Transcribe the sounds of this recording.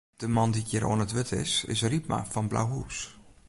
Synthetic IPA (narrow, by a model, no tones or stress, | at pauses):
d̥əmɑndiɡiro̰ənətʋɪtʰɪ̰sɪ̰sripma̰fɑnbla̰wɦus